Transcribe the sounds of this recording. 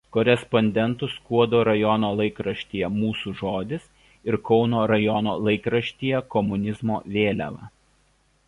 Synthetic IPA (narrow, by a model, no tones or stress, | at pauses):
kɔːɾʲɛspɔnʲd̪ʲɛnt̪ʊskuɔd̪oːɾɐjɔnoːlˠɐɪkɾɐʃʲt̪ʲiːjɛmuːsuːʒoːd̪ʲɪs | ɪɾkɒʊnoːɾɐjɔnoːlˠɐɪkɾɐʃʲt̪ʲijɛkɔmʊnʲɪzmo̰ːʋʲeːlʲæ̰ʋɐ̰